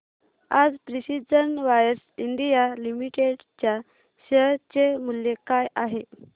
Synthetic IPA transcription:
ad͡zpɾisid͡zənʋajəɾsiɳɖijalimiʈeɖ | t͡ɕja | ɕət͡semuljekajaɦe

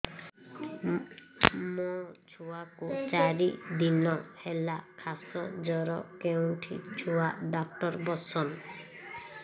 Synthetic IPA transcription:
mɔt͡ʃʰuakut͡ʃaɾid̪inɔhelakʰasɔd͡ʒɔɾɔkeuɳʈʰit͡ʃʰuwaɖak̚ʈɔɾbɔsɔn

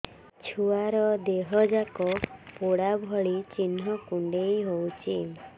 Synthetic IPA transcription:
t͡ʃʰuaɾɔd̪eɦɔd͡ʒakɔpoɽabʱɔɭit͡ʃinːɔkuɳɖejɦowt͡ʃʰi

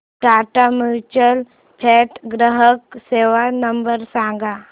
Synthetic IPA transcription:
ʈaʈamiɾt͡ʃəl | pʰeʈɡɾəɦəkseʋanəmbəɾsãŋɡa

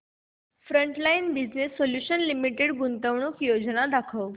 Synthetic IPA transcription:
fɾəɳʈlajinbid͡ʑnesːoljuɕənlimiʈeɽɡunt̪əʋɳ̃ukjod͡znad̪akʰəʋ

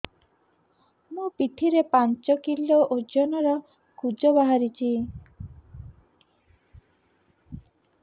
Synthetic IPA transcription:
mũpiʈ̪ʰiɾepant͡ʃɔkiloʔod͡ʒɔnɔɾɔ | kud͡ʒɔbaɦaɾit͡ʃʰi

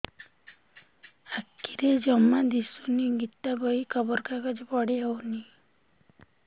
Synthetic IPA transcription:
akːiɾed͡ʒɔmad̪isuniɡit̪abɔikɔbɔɾkaɡɔd͡ʒibɔɽiawni

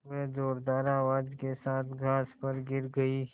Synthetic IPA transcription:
ezɔːɾd̪aːɾaːʋaːd͡ʒkesaːt̪ʰɡʱaːspɐɾɡɪɾɡɐiː

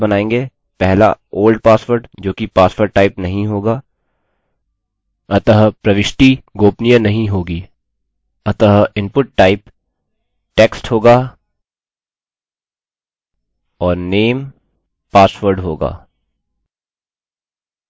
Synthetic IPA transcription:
bɐnaːẽːŋɡeː | pɛɦla̰oːlɖpaːsʋəɾɖd͡ʒoːkipaːswəɾɖ̚ʈːaːɪpnɐɦĩɦoːɡaː | ɐt̪əɦpɾɐʋɪʃʈiɡoːpnijənɐɦĩɦoːɡiː | ɐt̪əɦɪ̃npʊʈ̚ːaːɪp | ʈeːksʈɦoːɡaː | ɔːɾneːm | paːsʋəɾɖɦoːɡa̰ː

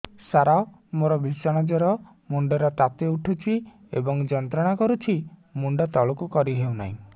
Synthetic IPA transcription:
saɾao | moɾɔbʱisɔɽ̃ɔd͡ʒɔɾɔ | muɳɖɔɾɔt̪at̪euʈʰut͡ʃʰi | ḛbɔŋd͡ʒɔnt̪ɾɔɽ̃akɔɾut͡ʃʰimuɳɖɔt̪ɔɭokukɔɾiɦewna̰ḭ̃

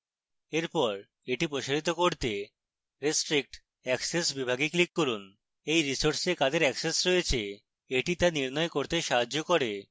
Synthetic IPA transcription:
eɾpɔɾ | eʈipɾoʃaɾit̪̬okoɾt̪e | ɾisʈɾik̚ʈ | ɛksesbibʱaɡiklikːoɾun | ejɾisoɾsekad̪eɾɛksesɾojet͡ɕʰe | eʈit̪aniɾnɔekoɾt̪eʃaɦad͡ʑokoɾe

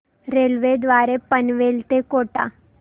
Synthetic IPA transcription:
ɾeːlʋed̪ʋaːɾepənʋeːlt̪ekoːʈa̰ː

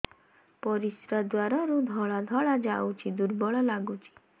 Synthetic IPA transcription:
pɔɾisɾad̪waɾaɾud̪ʱɔɭad̪ʱɔɭad͡ʒawt͡ʃʰid̪uɾbɔɭɔlaɡut͡ʃʰi̥

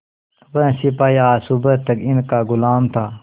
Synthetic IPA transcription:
ʋɐ̃sipaːjaːsubət̪ːɐkɪnkaːɡʊlaːmt̪ʰaː

